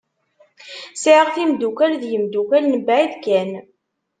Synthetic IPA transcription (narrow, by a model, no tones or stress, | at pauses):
siʕəʁθimd̪ukælðjəmd̪ukælnəbʕiðkːæn